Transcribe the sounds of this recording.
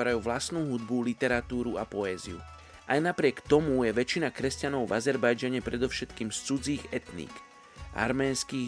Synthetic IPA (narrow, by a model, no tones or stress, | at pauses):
aɾajuːʋlasnuːɦud̪̚bulit̪ɛɾat̪uːɾuapɔɛːzḭṵ | ʔajnapɾɪɛkt̪ɔmujɛʋɛt͡ʃinakɾɛscanɔʊvazɛɾbajd͡ʒaɲɛpɾɛd̪ɔʊʃɛt̪kiːmst͡sud͡ziːɣɛt̪nḭːk | ʔa̰ɾmɛːnskiː